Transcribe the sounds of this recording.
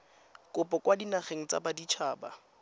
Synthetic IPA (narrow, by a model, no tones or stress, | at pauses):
kʼʊpʼɔkwadinaχeŋ̩t͡sa̰badit͡ʃʰaːba̰